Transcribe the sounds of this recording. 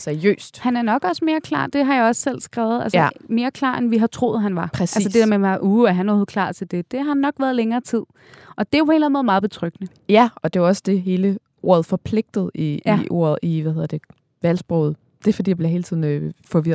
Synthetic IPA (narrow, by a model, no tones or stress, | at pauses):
seɐjø̰ːsd̥hænæɐnɒ̽ɡ̥ɒ̽səme̝ːɐkʰlɑ̰̈ːd̥e̝ɦɑ̈jaɒ̽ssel̰sɡ̥ʁɛ̰ːʊð̞ˠælsəme̝ːɐkʰl̥ɑ̰̈ːenʋiɦɑ̈t͡sʰʁo̝ːð̩ˠɦænʋɑ̈pʰʁɛsælsəd̥e̝d̥eɐmeʋɑ̈ʔuːæɦænoh̩ˠkʰlɑ̰̈ːt͡sʰe̝ld̥e̝d̥e̝ɦɑ̈nːɒ̽ɡ̥ʋæːɐðˠleŋɐːt͡sʰið̞̰ˠ | ʔɒ̽d̥e̝jæpʰo̽e̝lænmoð̩ˠmɑ̈ːðˠb̥e̝t͡sʰʁœɡ̥nə | jæɒ̽d̥e̝ʋaɒ̽sə̥d̥e̝ɦe̝ːlə | o̝̰ɐ̰ð̞̩ˠfɒ̽pʰle̝ɡ̥̚d̥ð̞̩ˠiʔo̝̰ɐ̰ð̩ˠiʋæhe̝ðˠɐd̥e̝ | ʋælsb̥ʁɔʊð̩ˠ | d̥e̝fd̥ḭːjɑbleɦe̝ːlət͡sʰiðˠn̩øfɒ̽ʋiɐ̰